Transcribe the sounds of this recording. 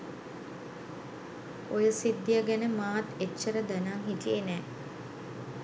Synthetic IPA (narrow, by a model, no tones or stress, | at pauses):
ojəsid̪ːijaɡænəmaːt̪et͡ʃːəɾəd̪ænaŋɦiʈijenɛː